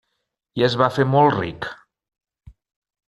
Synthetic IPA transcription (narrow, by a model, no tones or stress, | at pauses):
iəzβafemɔlˠrḭk